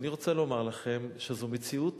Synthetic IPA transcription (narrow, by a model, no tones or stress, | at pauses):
niʁo̞t͡selo̞maʁlaχe̞mʃezumet͡siut